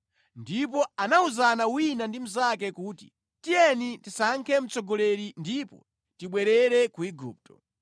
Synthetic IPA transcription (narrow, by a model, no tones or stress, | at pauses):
ndipɔanauzanawinandim̩zakɛkuːti̥̰ | tijɛnitisaŋkʰɛm̩t͡sɔɡɔlɛɾindipɔ̰ | tiɓwɛɾɛɾɛkuiɡṵːp̚tɔ